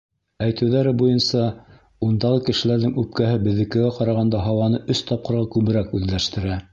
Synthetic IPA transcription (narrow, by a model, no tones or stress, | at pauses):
æjt̪ɘ̆wðæɾɘbujɤnsɑ | und̪ɑʁɤkɘ̆ʃɘ̆læɾðɘŋʉp̚kæɦɘbɘ̆ðːɘ̆kɘ̆ɡæqɑɾɑʁɑnd̪ɑɦɑwɑnɤʔɵst̪ɑp̚qɤ̆ɾʁɑkʉβɘ̆ɾækʉðlæʃt̪ɘ̆ɾæ